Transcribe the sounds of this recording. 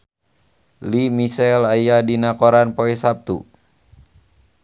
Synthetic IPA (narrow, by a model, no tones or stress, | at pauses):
limisɛlajadinakɔɾanpoɛsap̚t̪ṵ